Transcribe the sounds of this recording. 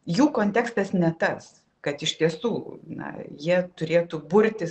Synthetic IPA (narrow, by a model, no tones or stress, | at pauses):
juːkoːnʲt̪ʲæːkst̪ɐsnʲɛt̪ɐs | kɐt̪ɪʃt̪ʲiɛsuːnɐ̰jiɛt̪ʊɾʲeːt̪ubʊɾʲt̪ʲɪ